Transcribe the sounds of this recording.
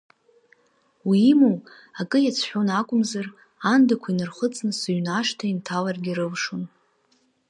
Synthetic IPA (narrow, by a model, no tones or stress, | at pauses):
wimow | akʼɨjat͡sʰħʷᶣonakʷʼʊmzar | andakʷʰainɨrχət͡sʼnɨsaɥnaʂtʰaintʰalarɡʲiɾɨvʂun